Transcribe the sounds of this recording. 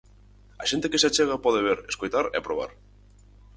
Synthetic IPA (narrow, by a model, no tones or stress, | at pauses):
a̰ʃent̪ekesat͡ʃeɣ̞apoðeβ̞eɾeskojt̪aɾeapɾoβ̞a̰ɾ